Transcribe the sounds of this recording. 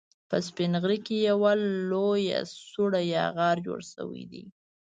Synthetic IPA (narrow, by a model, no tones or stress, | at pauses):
pəspɪnɣɾikejawaoja̰suɽajɑ̰ɣɑɾd͡ʒo̰ɽʃə̰wḭd̪ḭ